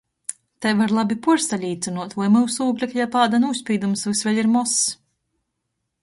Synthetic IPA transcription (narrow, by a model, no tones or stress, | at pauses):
t̪ɛjvaɾlˠabʲipuɾst̪alʲiːt̪sɨnuɔt̪vujmɨwsuːɡlʲakajapaːd̪anusʲpʲiːd̪umsvɨsvʲɛlʲiɾmɔs